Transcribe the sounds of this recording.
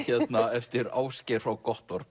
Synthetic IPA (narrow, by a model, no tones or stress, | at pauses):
çɛt̪naɛft̪ɪɾa̰ːwscɛɾ̥fawkɔht̪ɔɾ